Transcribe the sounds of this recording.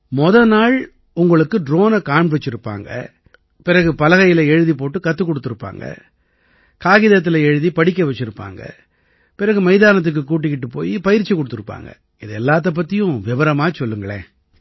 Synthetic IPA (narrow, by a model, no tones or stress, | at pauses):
mɔðɐnaːɭ | ʊŋɡɐɭɯkːɯɖɾoːnɐkaːɳpɯɽɯt͡ʃːɪɾɯpːa̰ːŋɡɐ̰ | pɪɾɐɣɯpɐlɐɣɐjɪlɐɛɻɯðip̬oːʈːɯkɐt̪ːɯkːɔɽɯt̪ːɯɾɯpːa̰ːŋɡɐ̰ | kaːɣɪðɐt̪̬ːɪlɐɛɻɯðipɐɽɪkːɐʋɛt͡ʃːɪɾɯpːa̰ːŋɡɐ̰ | pɪɾɐɣɯmɐɪðaːnɐt̪̬ːɯk̬ːɯkːuːʈ̬ːɪkːɪʈːɯpːo̰ːjipɐjɪɾt͡ʃːikɔɽɯt̪ːɯɾɯpːa̰ːŋɡɐ̰ | ɪðɯɛlːaːt̪̬ːɐp̬ːɐt̪ːɪjʊ̃ʋɪʋɐɾɐmaːt͡ʃɔlːɯŋɡɐɭḛː